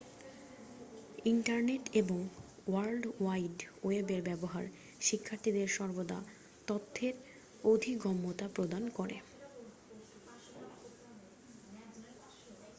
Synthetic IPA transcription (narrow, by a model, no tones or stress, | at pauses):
iɳʈaɾneʈeboŋ | waɾlɖwajɖwebeɾbɛboɦa̰ɾ | ʃikʰːaɾt̪ʰid̪eɾʃɔɾbod̪a̰ | t̪ot̪ʰːeɾ | od̪ʱiɡɔmːot̪apɾod̪ankoɾḛ